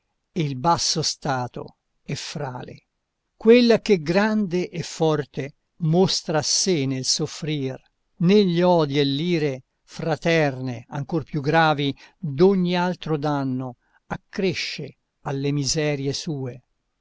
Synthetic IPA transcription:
eilbasːost̪aːt̪o̰ | ɛfɾa̰ːlḛ | kwelːakeɡɾand̪eʔɛfːɔrt̪e | most̪ɾasenelsofɾiːr | neʎːɔːd̪ielːiːɾe | fɾat̪ɛrnea̰ŋkorpjuɡɾaːvid̪oɲːialt̪ɾod̪anːo | akːɾeʃːe | alːemizɛːɾjesuːe

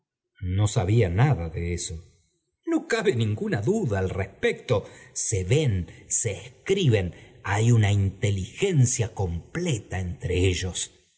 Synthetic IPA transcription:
no̞saβianaðaðeeso̞ | no̞kaβenĩŋɡunaðuðaːlrespek̚t̪o̞seβe̞nseːskɾiβe̞najunaint̪e̞lixe̞nsjako̞mplet̪aent̪ɾeeʒo̞s

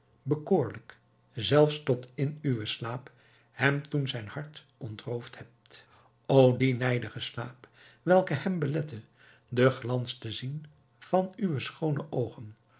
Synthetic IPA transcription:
bəkʊːɹlək | zɛlˠfstɔtɪnyʋəslaːp | hɛmtunzɛjnhɑɹt | ɔntrowfthɛp̚t | owdinɛjdəχəslaːp | ʋɛlˠkəhɛmbəlɛtə | dəχlɑnstəzin | v̥ɑnyʋəsχownəʔowχən

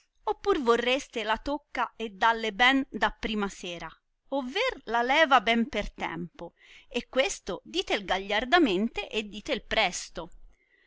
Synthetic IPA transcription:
opːurvorːest̪elat̪okːaed̪ːalːebɛnd̪apːɾiːmasɛːɾa | ovːerlalɛːvabɛmpert̪ɛ̰mpo | ekːwest̪od̪iːt̪elɡaʎːard̪ament̪eʔed̪ːiːt̪eilpɾɛst̪o

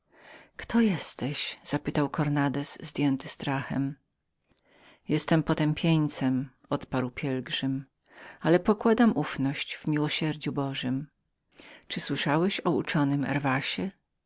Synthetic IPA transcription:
kt̪ʰɔjɛst̪ɛɕz̥apɘt̪awkɔɾnad̪ɛszd̪ʲjɛnt̪ɘst̪ɾaxɛ̰m | jɛst̪ɛmpɔt̪ɛmpʲjeɲt̪sɛm | ɔt̪paɾwpʲjɛlɡʐɘm | alɛpɔkwad̪amʔufnɔɕt͡ɕvmʲiwɔɕɛɾd͡ʑubɔʐɘm | t͡ʂɘswɘʂawɛɕɔut͡ʂɔnɘmɛ̰ɾvaɕɛ

